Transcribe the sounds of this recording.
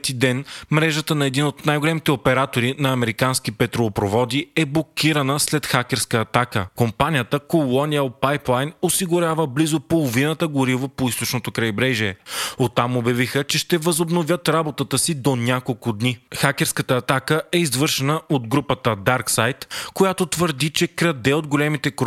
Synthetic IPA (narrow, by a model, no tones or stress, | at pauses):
t̪id̪ɛnmɾɛʒət̪ənɐɛd̪inot̪najɡolɛmit̪ɛopɛɾat̪oɾinɐːmɛɾikansk̟ipɛt̪ɾoːpɾovɔd̪iɛblˠokʲiɾɐnəslɛt̪xakʲɛɾskəːt̪akəkompanijət̪əkolˠɔniəlˠpajplˠajnosiɡʊɾʲavəblizopolˠovinət̪əɡʊɾivˠopoist̪ot͡ʃnot̪okɾɐjibɾɛʒiɛot̪ːamobjɐvixət͡ʃɛʃt̪ɛvɐzobnovjət̪ɾabot̪ət̪əsid̪onʲakolˠkʊd̪nixakʲɛɾskət̪əːt̪akəʔɛizvɤɾʃɛnəod̪ɡɾupət̪əd̪aɾksajt̪kojat̪ot̪vəɾd̪it͡ʃɛkɾɐd̪ɛod̪ɡolɛmit̪ɛk